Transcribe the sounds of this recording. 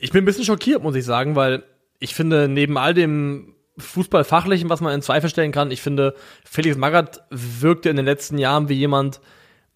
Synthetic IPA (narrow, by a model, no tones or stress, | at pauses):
ʔɪçb̥ɪnbɪsçjənʃ̬ɔkʰiːɐtmʊsɪçz̥aːɡŋ̩vaɪl | ʔɪçfɪndəneːbm̩ʔaldeːm | fuːsb̥alfaχlɪçn̩vasmanɪnt͡sv̥aɪfl̩ʃtɛlənkʰanɪçfɪndəfeːlɪksmaɡatvɪɐk̚təɪndeːnlɛt͡stn̩jaːʁənviːjeːmant